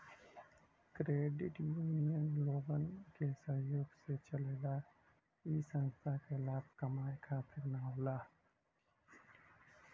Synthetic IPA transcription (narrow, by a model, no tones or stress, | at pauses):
kɾeːɖɪʈjuːnijənloːɡənkesə̃ɦjoːɡset͡ʃəleːla | isə̃nst̪ʰakelaːb̚kəmaːjkʰat̪ʰɪɾnaolaː